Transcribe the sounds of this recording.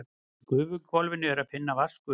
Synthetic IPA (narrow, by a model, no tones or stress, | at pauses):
kʏːvʏ̥kʰvɔlvɪnːʏɛɾaðfɪnːavaskʏ